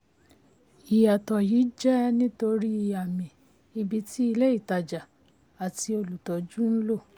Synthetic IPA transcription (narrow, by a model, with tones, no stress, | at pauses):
i˨ja˨tɔ˨jiː˨˦d͡ʒɛ˦nĩ˦to˧ɾi˦i˧a˨mĩ˨ | i˧bi˧ti˦i˧le˦i˦˨ta˨d͡ʒa˨ | a˨ti˧o˧lu˨tɔ˨˦d͡ʒu˦n̩˦lo˦˨